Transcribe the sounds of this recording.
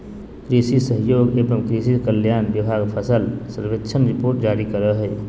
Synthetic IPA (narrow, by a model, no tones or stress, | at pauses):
kɾisisəɦjoːɡeːbəmkɾisikəljaːnbibʱaɡpʰəsəlsəɾʋetːʃʰənɾipoːɾʈ̚d͡ʒaːɾikəɾəɦɛ